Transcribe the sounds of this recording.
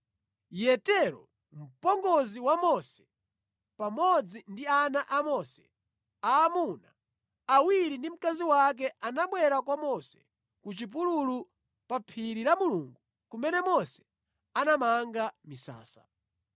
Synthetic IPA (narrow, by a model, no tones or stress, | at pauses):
jɛtɛɾɔ̰ | m̩pɔŋɡɔziwamɔsɛ̥ | pamɔd͡zindianaʔamɔsɛ̥ | aːmunaː | wiɾindim̩kaziwak̬ɛʔanaɓwɛɾakwamɔsɛ̥ | kut͡ʃip̬ululu | papʰiɾiɾamuluːŋɡu | kumɛnɛmɔsɛ̥ | anamaŋɡamisa̰ːsa